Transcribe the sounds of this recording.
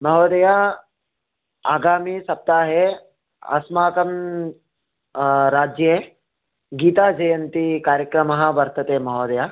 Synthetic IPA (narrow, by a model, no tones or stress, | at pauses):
mɐɦoːd̪ɐja | a̰ːɡaːmisɐp̚t̪aːɦe | ɐ̰smaːkɐm | ɾaːd͡ʒje | ɡiːt̪aːd͡ʒɐjɐnt̪ikaːɾjəkɾɐmɐɦɐ̆ʋɐɾt̪ɐt̪eːmɐɦoːd̪ɐja